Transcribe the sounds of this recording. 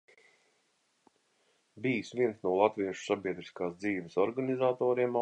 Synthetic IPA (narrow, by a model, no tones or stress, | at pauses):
biːsviɛnsnuɔlˠat̪viɛʃu̥sabʲiɛd̪ɾiskaːsd̪ziːʋəsɔɾɡanizaːt̪ɔːɾiɛma